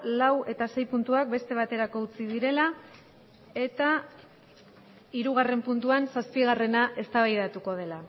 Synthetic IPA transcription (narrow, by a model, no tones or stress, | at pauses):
lawe̞t̪ase̞jpunt̪uak̚be̞st̪e̞β̞at̪e̞ɾako̞ut͡siðiɾe̞la | e̞t̪a | iɾuɣ̞are̞mpunt̪uansaspiɣ̞are̞naʔe̞st̪aβajðat̪uko̞ð̞e̞la